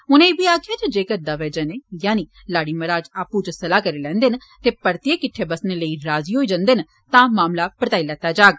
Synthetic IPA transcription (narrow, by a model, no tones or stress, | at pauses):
ʊnẽːbiːaːkʰɪjaːd͡ʒed͡ʒeːkəɾd̪aːʋeːd͡ʒəneːjaːniː | laːɽiːməɾaːd͡ʒaːpuːt͡ʃsəlaːkəɾeːlɛ̃ːnd̪en | t̪eːpəɾt̪ieːkɪʈʰːeːbəsneːləiːɾaːziːɦoːiːd͡ʒə̃nd̪en | t̪ãːmaːmlaːpəɾt̪aːilɛːt̪aːd͡ʒaːɡ